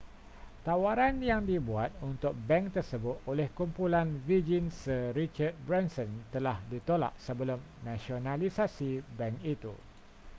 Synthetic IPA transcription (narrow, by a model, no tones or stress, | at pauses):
t̪awaɾanjaŋdibuat̪̚unt̪ʊk̚bɛŋkt̪ərsəbʊt̪̚olɛhkumpulanvid͡ʒinsəɾit͡ʃart̪̚bɾɛnsə̃nt̪əlahdit̪ola̰ʔsəbəlʊm | nãsionãlisasibɛŋkit̪ṵ